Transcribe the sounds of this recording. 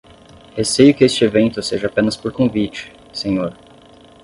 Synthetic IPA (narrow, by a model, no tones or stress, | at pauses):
hesejʊkɪest͡ʃɪevẽnt̪ʊseʒɐapẽnɐspoɾkõvit͡ʃɪ̥ | sẽɲoɾ